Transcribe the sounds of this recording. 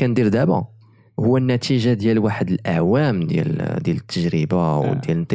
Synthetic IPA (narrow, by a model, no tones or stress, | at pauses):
ænd̪iɾd̪æbɑ̰̃ | hʊwːænːæt̪iʒad̪jælwaħəd̪əlʔaʕwæmd̪jæ̰ld̪jælət̪ʰːəʒɾəbawd̪jælənt̪ː